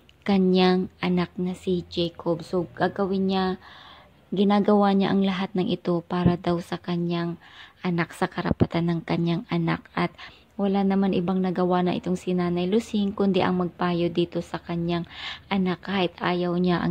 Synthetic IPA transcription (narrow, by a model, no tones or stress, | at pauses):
kɐɲaŋʔɐnak̚nɐsɪd͡ʒɛjkobsoɡ̥aɡɐwɪnɲa | ɡɪnaːɡɐwaɲaʔɐŋlɐɦat̪̚nɐŋʔɪt̪o̞paːɾɐd̪awsɐkɐɲjaŋʔɐnak̚sɐkɐɾɐ̰pɐt̪anːɐŋkɐɲjaŋʔɐna̰k̚ʔɐt̪̚ | wɐlanɐmanʔɪbaŋnɐɡɐwanɐʔɪ̰t̪o̞ŋsɪnaːnɐjlʊsɪŋkʊnd̪ɛ̰ʔɐ̰ŋmɐɡ̚paːjod̪iːt̪o̞sɐkɐɲaŋʔɐnakːaːhɪt̪ʔaːjɐwɲaʔɐ̰